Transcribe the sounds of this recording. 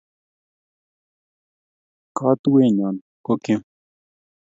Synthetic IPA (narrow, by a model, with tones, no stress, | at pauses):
ka˦t̪u˦we˦˨ɲa˨n | ko˦kĩ˦m